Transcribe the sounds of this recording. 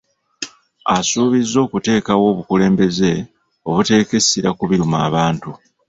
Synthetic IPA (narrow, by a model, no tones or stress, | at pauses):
asuːβizːo̞ːkute̞ːkawo̞ːβukule̞ːmbe̞ze̞ | o̞βute̞ːke̞siɾakuβiɾuma̰ːβaːntu